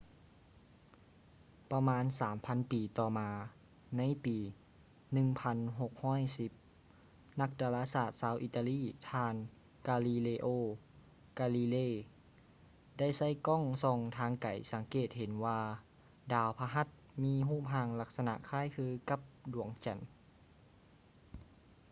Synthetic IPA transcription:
pa˧maː˧˥nsaː˨˩˦mpʰa˧˥npiː˨˩t̪ɔː˧˩maː˧ | na˧˥jpiː˨˩ | nɯ˧˨ŋpʰa˧˥nɦo˧˩k̚hɔː˥˨jsi˧˦p̚ | na˧˥k̚daː˧laː˧˥saː˧˩t̪̚saː˧˥wʔi˧t̪a˧liː˧˥˩t̪ʰaː˧n | kaː˧liː˧leː˧ʔoː˧˩ | kaː˧liː˧leː˧˩˨ | da˥˩jsa˧˥˩jkɔ˥˨ŋsɔː˧˩ŋt̪ʰaː˧˥ŋka̰˨˩jsa˨˩˦ŋkeː˨˩t̪̚he˨˦nwaː˧ | daː˧wpʰa˧ɦa˧˩t̪̚miː˧˥ɦuː˥˩p̚ɦaː˧ŋla˧˥k̚sa˧na̰˧ʔkʰaː˧˥˨jkʰɯː˧ka˧˦p̚du˨˩˦əŋt͡ɕa̰˨˦n

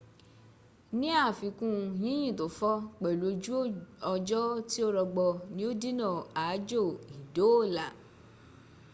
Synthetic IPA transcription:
nĩ˦a˦˨fi˨˧kũ˦˧jĩ˨˦j̃ĩ˦˨to˨fɔ˦k͡pɛ˨lo˨˧˦d͡ʒu˦ɔ˧d͡ʒɔ˦ti˦o˦ɾɔ˧ɡ͡bɔ˧nĩ˦o˦di˦nã˦˨a˨˦d͡ʒo˦˨i˨do˨˦o˦˨la˨

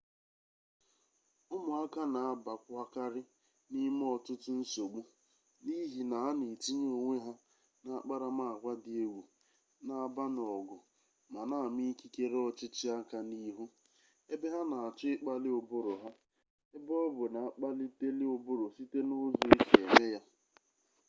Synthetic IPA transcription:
ʊ˦mʊ˨a˦ka˦na˨a˦ba˨kʷʊ˦a˦ka˦ɾɪ˦ | ni˦m˦ɔ˨tʊ˦tʊ˦n̩˦so˨ɡ͡bu˦ | ni˦ɦi˨na˨ɦa˦ni˨ti˦ɲ˦o˨ŋʷe˦ɦa˦ | na˨a˨k͡pa˦ɾa˨ma˦˨ɡʷa˦dɪ˨e˦wu˨ | na˨a˨ba˦n˨ɔ˨ɡʊ˨ | ma˨na˨mi˦ki˦ke˦ɾe˦ɔ˦t͡ʃɪ˦t͡ʃɪ˦a˦ka˦ni˦ɦu˦ | e˦be˦ɦa˦na˨a˨t͡ʃɪ˦ɪ˦k͡pa˦lɪ˦ʊ˨bʊ˦ɾʊ˨ɦa˦ | e˦bɔ˦bʊ˨na˨a˨k͡pa˦lɪ˦te˦lɪ˦ʊ˨bʊ˦ɾʊ˨si˦te˦nʊ˦zʊ˨i˦kʰe˨e˨me˦ja˦

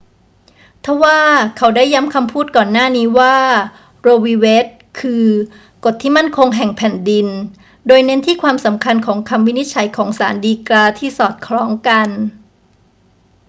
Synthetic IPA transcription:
t̪ʰa˦˥waː˥˩kʰa˩wda˥˩jːa˦˥mkʰa˧mpʰuː˥˩t̪̚kɔː˨˩nːaː˥˩niː˦˥waː˥˩ | ɾoː˧wiː˧we˦˥t̪̚ | kʰɯː˧ | ko˨˩t̪ʰːiː˥˩ma˥˩nkʰo˧ŋɦɛ˨˩ŋpʰɛ˨˩ndi˧n | doː˧jne˦˥nt̪ʰiː˥˩kʰwaː˧msa˩˦mkʰa˧nkʰɔː˩˦ŋkʰa˧mwi˦˥ni˦˥t̪̚t͡ɕʰa˩˦jkʰɔː˩˦ŋsaː˩˦ndiː˧klaː˧t̪ʰiː˥˩sɔː˨˩t̪̚kʰlɔː˦˥ŋka˧n

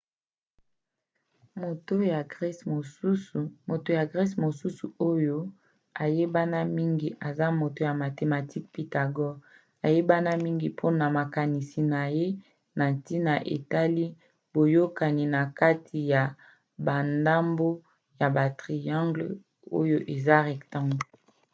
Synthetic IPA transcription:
mo˨to˦ja˨ɡʁso˨su˦smo˨to˨ja˨ɡʁɛ˦smo˨su˦su˨o˦jo˦ | a˨je˦ba˦na˦mi˦ŋɡi˨ʔa˨za˦mo˨to˦ja˨ma˨te˨ma˨ti˦k̚pi˨ta˨ɡɔ˦ɡ | a˨je˦ba˦na˦mi˦ŋɡi˨pʰo˦na˨ma˨ka˨ni˨si˨na˨je˦ | na˨ti˦na˨ʔḛ˨ta˦li˦ | bo˨jo˦ka˨ni˨na˨ka˦tʰi˨ja˨ | ba˨nda˦mbo˦ | ja˨ba˨tʁi˨jã˦ŋɡl | o̰˦jo˦ʔe˨za˦ʁɛ˨ktã˦ŋɡ

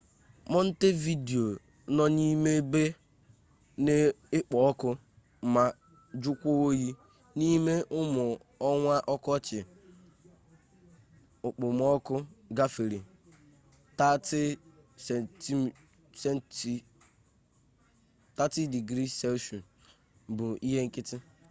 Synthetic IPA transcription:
mɔ˦n̩˦te˦vi˦de˨o˨ | nɔ˦ni˦me˦be˦ | ne˦ | ɪ˦k͡pɔ˨ɔ˦kʊ˦ | ma˦ | d͡ʒʊ˦kʷo˦o˦ji˦ | ni˦me˦ʔʊ˦mʊ˨ | ɔ˦ŋʷa˦ʔɔ˦kɔ˦t͡ʃɪ˨ | ʊ˨k͡pʊ˨m˦ɔ˦kʊ˦ɡa˦fe˨ɾi˨ | ta˦tɪ˦sti˦ | se˦n˦ | ta˦tɪ˦di˨ɡɾi˦se˦ʃu˨ | bʊ˨i˦ɦe˦ŋ̩˦kɪ˦tɪ˦

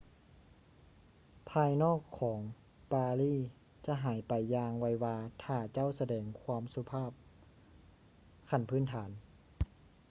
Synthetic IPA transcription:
pʰaː˧jnɔː˥˩kʰːɔː˩˦ŋ | paː˧liː˥˩ | t͡ɕa˧˦ɦaː˩˦jpa˨jːaː˧ŋwa˧˩jwaː˧t̪ʰaː˧˩t͡ɕa˥˨wsa˧dɛː˨˩ŋkʰwaː˧˥˨msu˧pʰaː˥˩p̚ | kʰa˧˩npʰɯː˧˥˨nt̪ʰaː˩˦n

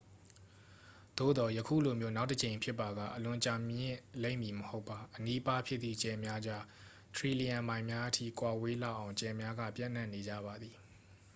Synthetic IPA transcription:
d̪̥o̰˦˨d̪ɔ˨jəkʰṵ˦˨lo˨mjo˦na˦ʊtət͡ɕẽ˨ɪ̃mpʰjɪ˦pːa˨ɡa̰˦˨ʔəlʊ̃˨t͡ɕa˨mjɪ̃˦˨lẽ˦ɪ̃mji˨məho˦ʊpːa˨ʔəni˦pa˦pʰjɪ˦ʔ̪t̪ːḭ˦˨t͡ɕɛ˨mja˦d͡ʑa˦ | t̪ʰɹi˨li˨jã˨mbã˨ɪ̃mja˦ʔətʰḭ˦˨kwa˨we˦la̰˦˨ʔã˨ʊ̃t͡ɕɛ˨mja˦ɡä̰˦˨pjã̰˦˨n̥ã˦˨nːe˨d͡ʑa̰˦˨ba˨d̪i˨

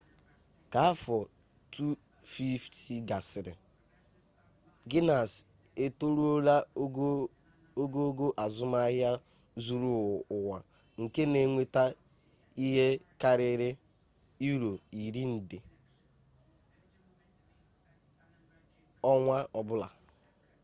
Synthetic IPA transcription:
ka˨a˦fɔ˨ | tʰu˦ | fi˦ftʰi˨ɡa˨sɪ˨ɾɪ̰˨ | ɡɪ˦na˨s | e˨to˦ɾu˦o˦ɾa˦ | o˦ɡo˦o˦ɡo˦ʔa˨zʊ˦ma˦ɦja˦ | zu˦ɾu˦˨ʊ˨wa˨ | ŋ̩˨ke˦ne˨˦ŋʷe˦ta˦ | i˦ɦe˦ka˦ɾɪ˦ɾɪ˦ | i˦ɾo˨i˨ɾi˦n̩˨dɪ˨ | ɔ˦ŋʷa˦ɔ˨bʊ˦la̰˨

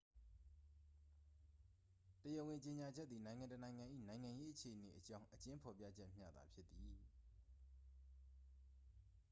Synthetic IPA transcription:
təjə˨wɪ̃˨ɲt͡ɕe˨ɲa˨d͡ʑɛ˦t̪̚ːi˨nã˨ɪ̃ŋã˨ntənã˨ɪ̃ŋã˨ʔḭ˦˨nã˨ɪ̃ŋã˨je˦ʔət͡ɕʰe˨ʔəne˨ʔət͡ɕã˦ʊ̃ʔət͡ɕɪ̃˦mpʰɔ˨pjä̰˦˨d͡ʑɛ˦ʔm̥ja̰˦˨d̪a̰˨pʰjɪ˦t̪ːi˨

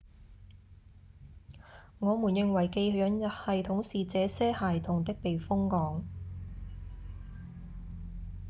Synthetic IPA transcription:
ŋɔː˨˧muː˨˩njɪ˨ŋwɐ˨˩jke˧jɵ˨˧jɵ˨˧˥njɐ˨˩t̚hɐ˨jt̪ʰʊ˨˥ŋsiː˨t͡sɛː˨˥sɛː˥haː˨jt̪ʰʊ˨ŋt̪ɪ˥k̚pe˨jfʊ˥ŋːɔː˨˥ŋ

